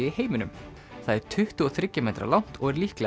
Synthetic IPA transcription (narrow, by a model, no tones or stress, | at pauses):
iheːjmɪnʏm | θaðɛɾ̥t̪ʰʏht̪ʏɔθɾɪcːʏmejt̪ɾa̰lawn̥t̪ɔɣɛɾlihklɛ